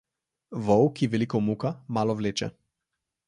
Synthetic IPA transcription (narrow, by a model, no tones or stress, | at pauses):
vɔwkiʋɛlikɔmukamaːlɔʋleːt͡ʃɛ̰